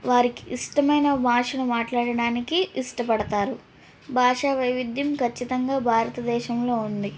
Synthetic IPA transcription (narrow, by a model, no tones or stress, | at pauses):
ʋaːɾikiiʂʈɐmɐjnɐmaːʂɐnumaːʈlaːɽɐɽaːnikiiʂʈɐpɐɽɐt̪aːɾu | bʱaːʂɐʋɐjʋid̪ʱːjɐmkʰɐt͡ʃːit̪ɐŋɡaːbʱaːɾɐt̪ɐd̪ɛːʃɐmlo̞ːund̪i